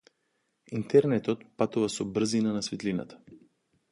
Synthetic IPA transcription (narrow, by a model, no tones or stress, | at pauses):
int̪ɛɾnɛt̪ɔt̪̚pat̪uvasɔbr̩zinanasvit̪lina̰t̪ḁ